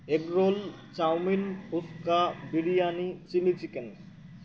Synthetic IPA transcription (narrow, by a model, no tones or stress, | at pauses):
ekɾoːl | t͡ʃawminʊskabɪɽijaːnisilisiken